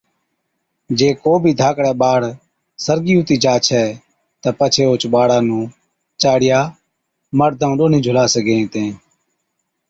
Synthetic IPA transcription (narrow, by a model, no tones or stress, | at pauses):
d͡ʒeːkoːbʱiːd̪ʱaːkɽɛːɓaːɽ | səɾɡiːut̪iːd͡ʒaːt͡ʃʰɛː | t̪əpət͡ʃʰeːoːt͡ʃɓaːɽaːnũː | t͡ʃaːɽɪjaː | məɾd̪ʱaũɗoːnĩːd͡ʒʱʊlaːsəɡẽːt̪ẽː